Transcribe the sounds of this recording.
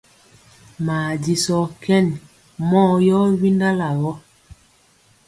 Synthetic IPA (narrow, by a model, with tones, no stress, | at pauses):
maː˨di˨sɔ˨kɛ˦˨n | mɔ˦˨jɔ˦wi˦nda˦la˨wɔ˦